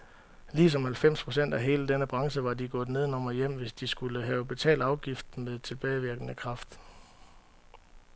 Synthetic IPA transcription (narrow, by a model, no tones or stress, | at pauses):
liːs̬ɒ̽mhælfem̰spʰʁo̝sen̰d̥æɦe̝ːləd̥enəb̥ʁɑ̈ŋsəʋɑ̈diɡ̥ɔ̽ːð̩ˠne̝ð̞ˠnɒ̽mɐjem̰ʋe̝sd̥isɡ̥uləɦɛːʊb̥e̝t͡sʰɛ̰ːld̥ɑ̈ʊɡ̥ifd̥̩meðˠt͡sʰe̝lb̥ɛːɪʋiɐɡ̥ənəkʰʁɑ̈fd̥